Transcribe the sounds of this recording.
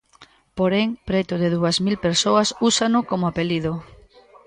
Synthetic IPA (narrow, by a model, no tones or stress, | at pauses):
poɾeŋpɾet̪ʊðeðuɐzmilpeɾsoɐsusanʊkomoapelið̞ʊ